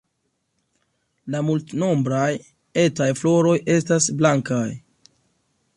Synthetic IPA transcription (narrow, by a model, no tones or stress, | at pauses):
lamultno̞mbɾaj | e̞tajflo̞ɾo̞jʔe̞stasblaŋkaj